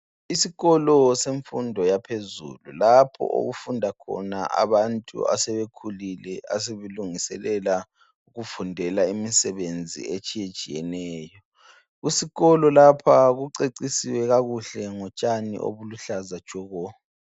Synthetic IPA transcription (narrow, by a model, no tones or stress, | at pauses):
isiɣɔlɔseɱfundʱɔjapʰezṵlulapʰɔ̰ʔo̰ɣufundʱakʰɔ̰naʔa̰βantʼṵa̰sɛβekʰulilɛa̰s̬eβeluŋisɛ̰lɛla | uɣufundʱɛlaimisɛβend͡zʱḭet͡ʃʼijet͡ʃʼijɛnɛːjɔ | ɣusiɣɔlɔlapʰaɣuǀeǀisiwɛɣaɣuɬɛŋɔt͡ʃʼanḭʔo̰βuluɬazḁʒ̥ʱɔɣɔ